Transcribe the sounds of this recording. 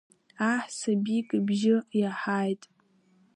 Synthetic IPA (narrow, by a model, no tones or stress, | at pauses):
aħsabikʼbʒɪjaħaːjtʼ